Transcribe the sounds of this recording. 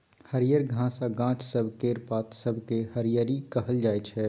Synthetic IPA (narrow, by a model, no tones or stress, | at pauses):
həɾijəɾɡʱãsaɡãːt͡ʃʰsəbʱkeɾpaːt̪səbʱkeɦəɾijəɾikəɦəld͡ʒaːɛt͡ʃʰɛ